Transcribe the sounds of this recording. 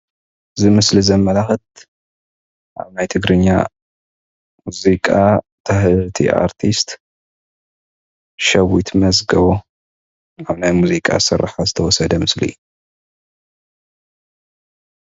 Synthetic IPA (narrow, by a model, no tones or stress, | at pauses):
ɨzɨmɨslizɐmːɐlaxɨt̪̚ | ʔa̰βnajt̪ʰɨɡɾɨɲːa̰ | muzikʼa | t̪ʰaht̪ʰḭʔa̰ɾt̪ʰist̪ | ʃɐwit̪ʰmɐzɡɐβo | aβnajmuzikʼa̰sɨɾːħazɨt̪ʰɐwɔsɐd̪ɐmɨslḭj